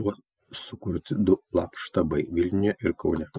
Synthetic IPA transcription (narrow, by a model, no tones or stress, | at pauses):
bʊɐ | sʊkʊɾʲt̪ʲɪd̪ʊlˠɑːkʃt̪ɐbɐɪʋʲɪlʲnʲjɛʔɪɾkɒʊnʲɛ